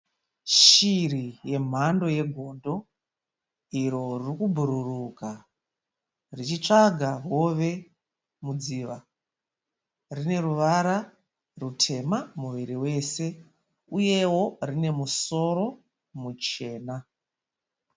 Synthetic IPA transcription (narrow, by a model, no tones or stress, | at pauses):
ʃirije̞m̤ando̞je̞ɡʱondo̞ | iɾo̞ririkubʱuɾuruka | rit͡ʃit͡ʂaɡʱaɦo̞ʋe̞ | mud͡ziːʋa | rine̞ruʋaɾa | rutʰe̞mamuʋiɾiwe̞ːse̞ | uje̞wo̞rine̞muso̞ɾo̞ | mut͡ʃe̞ːna